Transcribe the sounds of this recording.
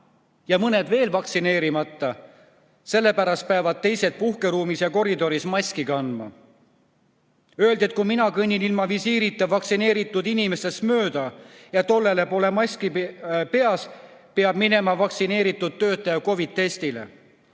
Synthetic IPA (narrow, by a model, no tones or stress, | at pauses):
jɑmɤne̞d̪ve̞ːlvɑkt̪sine̞ːɾimɑt̪ˑːɑ | se̞lːe̞pæɾɑst̪̚peɑvɑd̪̥̚t̪e̞jse̞t̪̚puhke̞ɾuːmisjɑko̞ɾid̪o̞ɾismɑskiɡɑnd̪mɑ̰ | ø̞e̞ld̪iet̪̚ˑkuminɑkɤnʲːinilmɑvisiːɾit̪ːˑɑvɑksine̞ːɾit̪ːˑud̪inime̞se̞st̪mø̞ːd̪̥ɑjɑt̪o̞lːe̞le̞po̞ːle̞mɑsʲkipe̞ɑspe̞ɑb̥mine̞mɑvɑksine̞ːɾit̪ːˑud̪̥̚t̪ːø̞ːt̪ːˑɑjɑko̞vid̪̥̚t̪e̞st̪ile̞̰